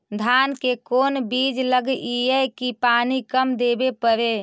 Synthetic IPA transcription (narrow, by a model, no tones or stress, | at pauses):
d̪ʱankekoːnbiːd͡ʒləɡiɛkipaːnikəmd̪eːbepəɾe